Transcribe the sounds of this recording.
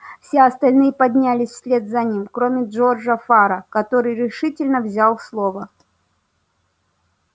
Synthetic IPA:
fsʲeɐst̪ɐlʲnɨjəpɐdʲnʲælʲɪsʲsʲlʲe̞d̪zɐnʲimkɾo̞mʲɪʐo̞rʐɐfaɾəkɐt̪o̞ɾɨjɾʲɪʂɨtʲɪlʲnəvzʲalˠslˠo̞və

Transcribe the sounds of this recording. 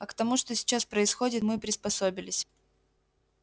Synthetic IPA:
ɐkt̪ɐmuʂt̪osʲɪ̥t͡ɕaspɾəɪsxo̞dʲɪt̪mɨpɾʲɪspɐsobʲɪlʲɪsʲ

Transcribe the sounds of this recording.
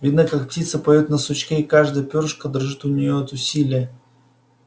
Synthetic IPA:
vʲid̪nəkak̚ptʲit̪səpɐjʲot̪nəsʊt͡ɕkʲeɪkaʐd̪əjəpʲorʂkəd̪ərʐɨt̪ʊnʲɪjoɛt̪ʊsʲilʲɪjə

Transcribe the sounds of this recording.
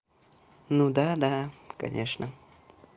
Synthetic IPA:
nud̪ad̪aka̰ɲaʃnʔaŋ

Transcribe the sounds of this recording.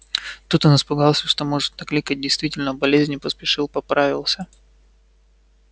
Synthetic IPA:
t̪ut̪onɪspʊɡɑlˠsʲəʂt̪omo̞ʐɨt̪nɐklʲikət̚ʲdʲɪjst̪vʲitʲɪlʲnəbɐlʲezʲnʲɪpəspʲɪʂɨlˠpɐpɾavʲɪlˠsʲə

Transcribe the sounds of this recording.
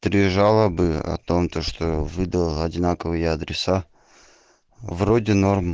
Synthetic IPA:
t̪ɾʲɪʐalˠəbɨɐ̰t̪o̞mt̪əʂt̪ovɨd̪əllˠɐdʲɪnakəvɨjəɐd̪ɾʲɪsa | vrodʲɪno̞rm

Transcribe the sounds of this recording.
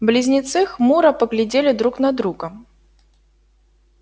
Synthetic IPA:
blʲizʲnʲit̪sɨxmuɾɐpɐɣlʲɪd͡zʲelʲɪd̪ɾuknɐd̪ɾuɡɐ

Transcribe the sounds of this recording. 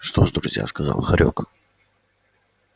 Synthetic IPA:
ʂt̪oʐd̪ɾʊzʲja̰skɐzɑlˠxɐɾʲok

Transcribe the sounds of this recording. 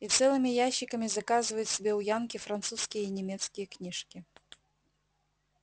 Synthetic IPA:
it̪sɛlˠɨmʲijaɕːɪkɐmʲizɐkazɨvɐjut̪ʲsʲɪbʲɛwjankʲifɾant̪suskʲijəinʲɛmʲɛt̪skʲijɐknʲiʂkʲi

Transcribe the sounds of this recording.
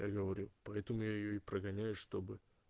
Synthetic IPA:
ja̰ɡəvɐɾʲupɐɛt̪əmʊjajɪjoɪpɾʔəɡɐnʲæjʊʂt̪o̞bɨ

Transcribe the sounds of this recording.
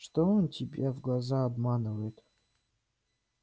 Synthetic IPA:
ʂt̪oontʲʰibʲavɡlˠazaːbmanɨvɐjɪt̪

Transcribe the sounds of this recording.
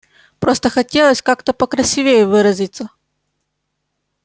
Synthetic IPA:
pɾost̪əxɐtʲelˠəsʲkakt̪əpəkɾɐsʲivʲejʊvɨɾɐzʲit̪sə

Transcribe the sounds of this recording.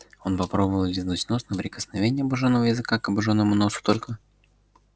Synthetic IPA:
o̞npɐpɾo̞bəvəlˠvʲinɨtʲnosnəpɾʲɪkə̥snɐvʲenʲɪjɐbɐʐonːəvəjɪzɨkakɐbɐʐonːəmʊno̞sʊ̥t̪olʲkə

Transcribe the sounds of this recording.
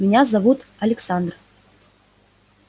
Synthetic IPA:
mʲɪnʲazɐvut̪ɐlʲɪksand̪r

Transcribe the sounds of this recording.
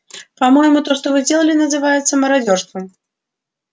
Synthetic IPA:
pamɔjmut̪ɔʂt̪ɔvɨzʲdʲelˠɐlʲinɐzɨvajɛt̪sːɐmɐɾad͡zʲɔrst̪vɐm

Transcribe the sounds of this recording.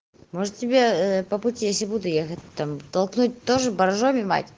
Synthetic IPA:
moʐɨt̪tʲːɪbʲeəpəpʊtʲijesʲlʲɪbud̪ʊjexətʲt̪amt̪ɐlˠknut̚ʲt̪oʐɨbɐɾʐomʲɪma̰tʲ

